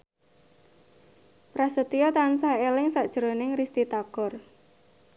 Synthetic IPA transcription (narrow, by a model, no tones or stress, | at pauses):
pɾasət̪iɔt̪ansahelɪŋsaʔd̥ʒ̥ɾonɪŋrist̪it̪aɡ̥ɔ̤r